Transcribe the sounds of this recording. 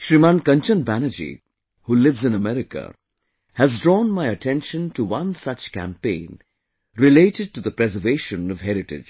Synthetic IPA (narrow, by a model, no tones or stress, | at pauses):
ʃɾimãnkʌ̃nt͡ʃə̃nbænəd͡ʒḭ | hulɪvzɨ̃nəmɛɾɪkə̰ | hæzdɹɔ̃ːnmaɪətʰɛ̃nʃə̃ntuwʌ̃nsʌt͡ʃkæ̰̃mpẽɪ̃n | ɹɪleɪʈɨd̚ʈuðəpɾɛzəveɪʃə̃nʌv̥ɦɛɾɨʈɪ̰d͡ʒ